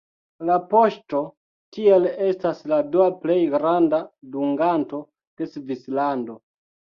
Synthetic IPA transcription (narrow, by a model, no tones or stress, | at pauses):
lapo̞ʃto̞ | tiele̞stasladuaple̞jɡɾandaduŋɡanto̞ | d̥e̞svislando̞